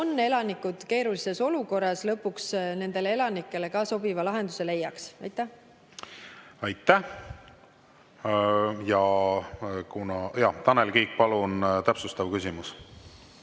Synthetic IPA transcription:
onːe̞lɑnikːˑud̪̥ke̞ːɾulise̞so̞luko̞rːɑslɤpːˑuksne̞nd̪̥e̞lee̞lɑnikːˑe̞le̞kɑso̞bivɑlɑɦe̞nd̪use̞le̞jːɑksɑjt̪ːˑæh | ɑjt̪ːˑæh | jɑ | kunɑjɑt̪ɑnelkiːk̚pɑlunt̪æpsust̪ɑvkysʲimus

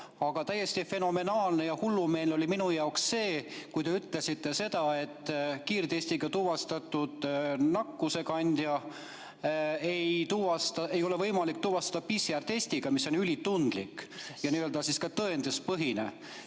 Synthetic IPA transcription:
ɑɡ̥ɑt̪æjːe̞st̪ife̞no̞me̞nɑːlne̞jɑhulːume̞ːlo̞liminujɑoksse̞ːkujd̪e̞yt̪ˑle̞sit̪ːe̞se̞d̪̥ɑe̞t̪ːˑkiːrt̪e̞sʲt̪iɡ̥ɑt̪uvɑst̪ɑt̪ːˑud̪̥nɑkːuse̞kɑnʲd̪̥jɑ | ejt̪uvɑst̪ɑe̞jo̞le̞vɤjmɑlik̚t̪uvɑst̪ɑd̪̥ɑpisjæɾt̪e̞sʲt̪iɡ̥ɑmisːo̞nylʲit̪und̪̥likːjɑniːøld̪̥ɑsiskɑt̪ɤend̪espɤɦinḛ

